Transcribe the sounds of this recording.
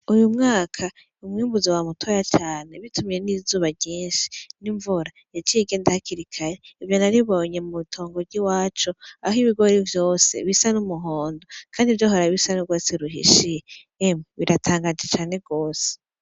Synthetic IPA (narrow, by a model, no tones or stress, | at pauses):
ujumŋaːkʰa | umŋiːmbuzowamutʰojat͡ʃaːne̞βitumije̞nizuːβaɟiːnʃi̥niɱvuɾa | jat͡ʃiɡeːndahakiɾikʰaɾeivjo̞naɾiβo̞ɲe̞mutʰo̞ːŋɡovɟiwaːt͡ʃoaɦiβiɡo̞ɾivjo̞ːse̞̰βisanumuɦoːndokʰaːndivjoɦoɾaβisanuɡwoːseɾuɦḭʃije | emuβiɾatʰaːŋɡad͡ʒet͡ʃaːne̞ɡo̞ːse̥